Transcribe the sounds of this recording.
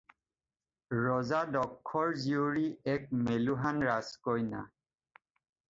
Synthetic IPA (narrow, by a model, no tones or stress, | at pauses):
ɹɔzadɔkʰːɔɹzioɹiɛk̚meluɦanɹaskojna̰